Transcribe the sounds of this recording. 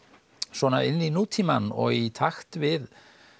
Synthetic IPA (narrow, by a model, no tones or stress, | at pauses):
svɔːnaɪnːinuːt̪ʰimanɔ̰ɣit̪ʰaxt̪vɪð